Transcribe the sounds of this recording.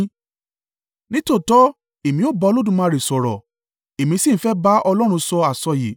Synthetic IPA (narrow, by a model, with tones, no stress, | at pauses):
nĩ˦to˦˨tɔ˦ | e˨mĩ˧˦o˦˨ba˧lo˦dũ˧˨mã˧˦˧ɾe˨sɔ˨ɾɔ̰˨ | e˨mĩ˧˦si˦˨˦fɛ˦ba˦ɔ˧lɔ˦ɾ̃ũ˧sɔ˧a˨sɔ˧je˨